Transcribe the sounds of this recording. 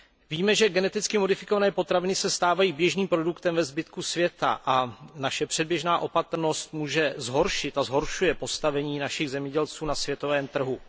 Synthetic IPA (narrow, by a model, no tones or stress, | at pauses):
viːmɛʒɛɡɛnɛt̪ɪt͡skɪmodɪfɪkovanɛːpo̞t̪ɾavɪnɪsɛst̪aːvajiːbjɛʒniːmpɾodukt̪ɛmvɛzbɪt̪kusvjɛt̪a̰ʔanaʃɛpr̝̥ɛd̚bjɛʒnaːʔo̞pat̪r̩no̞st̪muːʒɛzɦo̞ɾʃɪt̪azɦo̞ɾʃujɛpo̞st̪avɛɲiːnaʃɪɣzɛmɲɛɟɛlt͡suːnasvjɛt̪o̞vɛːmt̪r̩ɦu